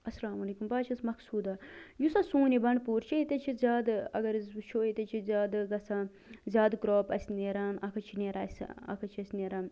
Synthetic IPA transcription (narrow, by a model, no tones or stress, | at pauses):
ɐslaːmɐleːkumbaːt͡ʃʰɐsmɐksuːd̪ajusɐsũːnibɐɳɖpuːɾt͡ʃʰiit̪ɐt͡ʃʰizʲaːd̪ɐ̰ɡɐɾizt͡ʃʰoːit̪ɐt͡ʃʰizʲaːd̪ɡɐsa | zʲaːd̪ɡɾoːpɐsʲneːɾaːnɐkʰɐt͡ʃʰineɾa̰ːsʲɐ̰kʰɐt͡ʃʰɐsʲneɾaːn